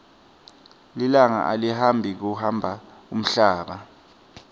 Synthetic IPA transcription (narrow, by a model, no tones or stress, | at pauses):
lilaŋa̰ʔa̰liɦambʱik̬uhambʱa | um̩ɬaːɓa